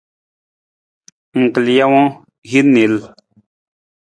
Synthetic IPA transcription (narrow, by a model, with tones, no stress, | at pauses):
ŋ̩˨kə˨lja˦wɔ̃˦ | ɣi˦ne˨l